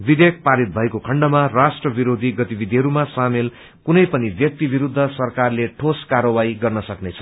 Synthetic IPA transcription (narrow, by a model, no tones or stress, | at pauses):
bib̪ʱek̚ʰpaɾit̪̚bʱʌekokʰʌɳɖʌmarasʈrʌbiɾod̪ʱiɡʌt̪ibid̪ʱiɦʌɾumasamel | kunʌjpʌnibjʌk̚t̪ibiɾud̪ʱːʌsʌrkarleʈʰoskarʌwaiɡʌrnʌsʌknet͡sʰʌ̥